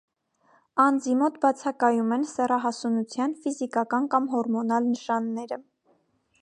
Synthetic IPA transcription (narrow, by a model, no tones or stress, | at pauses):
ɑnd͡zimɔt̪bɑt͡sʰɑkɑjumɛnsɛrɑɦɑsunut͡sʰjɑnfizikɑkɑnkɑmɦɔɾmɔnɑlnəʃɑnːɛɾə